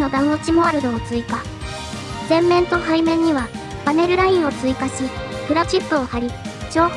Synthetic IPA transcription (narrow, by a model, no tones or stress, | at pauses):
no̞d̪aɯ̃ot͡ɕimo̞aɾɯ̟d̪oːt͡sɨika | zẽ̞mːẽ̞nt̪o̞haimẽ̞ɲ̟ːiβa | b̥ane̞ɾɯ̟ɾaĩɰ̃o̞t͡sɨikaɕikɯ̟ɾat͡ɕipːɯːhaɾʲit͡ɕo̞ːk